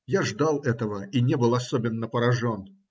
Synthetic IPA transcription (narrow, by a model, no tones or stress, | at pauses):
jaʐd̪alˠɛt̪əvəinʲebɨlˠɐsobʲɪnːəpəɾɐʐon